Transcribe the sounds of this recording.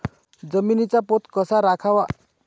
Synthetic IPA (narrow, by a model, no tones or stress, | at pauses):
d͡zəminit͡sapot̪kʌsaɾakʰawa